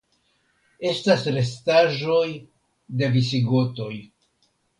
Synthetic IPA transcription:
e̞stasɾe̞staʒo̞j | de̞visiɡo̞to̞j

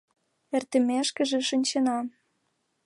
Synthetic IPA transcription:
ert̪ə̆meʃkə̆ʒĕʃinʲt͡ɕĕnɑ

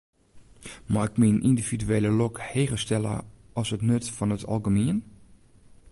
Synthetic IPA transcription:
maɪkmiənʔindividyeːləlɔkheːɣəstɛlˠə̰ | ʔɔsətnøtfɔnətʰɑ̰lˠɡəmiən

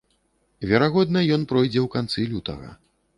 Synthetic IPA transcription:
vʲɛɾaɣɔd̪nɐjɔnpɾɔjd͡zʲɛwkant̪sɨlʲut̪ɐ̰ɣɐ̰

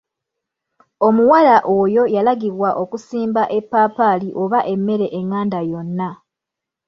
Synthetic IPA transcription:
o̞muwalaʔo̞jo̞jalaɡiβwaʔo̞kusiːmbaʔe̞pːaːpaliʔo̞βaʔe̞mːe̞ɾe̞ʔeŋːaːndajo̞nːa

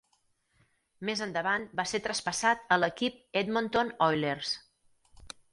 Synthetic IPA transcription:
mezənd̪əβanbaset̪ɾəspəsat̪ələkip̚ed̪mont̪onɔjlers

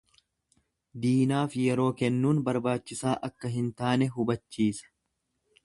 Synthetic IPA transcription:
d̪iːnaːfjɛɾo̞ːkɛnːuːnbɐɾbaːt͡ʃːɪsaːʔɐkːɐɦɪnt̪aːnɛɦʊbɐt͡ʃːiːsɐ̥

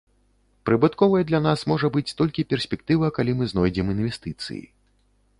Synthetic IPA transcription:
pɾɨbɨt̪kɔvɐjɛd̪lʲan̪asmɔʐɐbɨt͡sʲt̪ɔlʲkʲipʲɛrsʲpʲɛk̚t̪ɨvɐkalʲimɨznɔjd͡zʲɛminvʲɛst̪ɨt̪sɨ̰jḭ

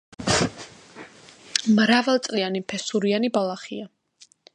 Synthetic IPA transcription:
mɾavalˠt̪sʼlianipʰɛsuɾianibalˠaχia

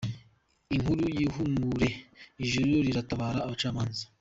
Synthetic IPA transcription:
iŋhuɾujiɦumuɾe̞iʒuɾujoɾiɾataβaːɾaːβat͡ʃaːmaːnzḁ

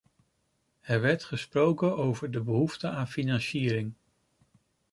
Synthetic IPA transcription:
ɛɹʋɛɹtχəsprowkənowvəɹdəbəɦuftəaːnfinɑnsiːɾɪŋ

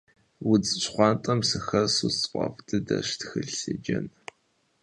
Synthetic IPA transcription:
wʊd͡zɨɕχʷɑːntʼɐmsɨxɐrsust͡sʼqʷʼɔ̰ftʰɨdɐ̰ɕtxɨɮɨd͡ʒɐ̰n

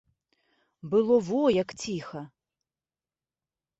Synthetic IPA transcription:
bɨlˠɔvɔjɐkt͡sʲixɐ

